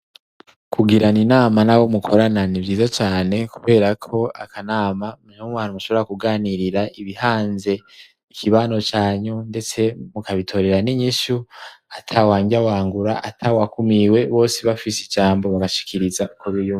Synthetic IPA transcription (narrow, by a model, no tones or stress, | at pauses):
kʰuɡiɾaninaːmanawomukʰo̞ɾananivjiːzat͡ʃaːne̞kuβe̞ːɾakʰo̞akʰanaːmamuwaːnumuʃo̞βo̞ɾakuɡaːniɾiɾaʔiβihaːnze̞ | ikʰiβaːno̞t͡ʃaːɲunde̞t͡se̞mukaβitʰo̞ɾe̞ɾaniɲiʃuatʰawaːɲɡiawaːŋɡuɾaʔatʰawakumiwe̞βo̞ːsiβafisid͡ʒaːmbo̞βaɡaʃi̥kʰiɾizakʰoβijum